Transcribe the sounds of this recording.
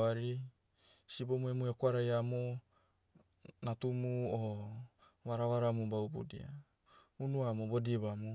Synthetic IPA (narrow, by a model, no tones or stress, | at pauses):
aɾi | sibomuemuekoaɾajamo | natumuo | βaɾaβaɾamubawbṵdḭa̰ | unuamobodiβamu